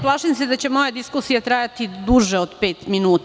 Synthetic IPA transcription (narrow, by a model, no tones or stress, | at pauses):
plˠaːʃemsed̪at͡ɕemo̞jad̪iskusijat̪ɾaːjat̪id̪uʒeod̪peːt̪minuːt̪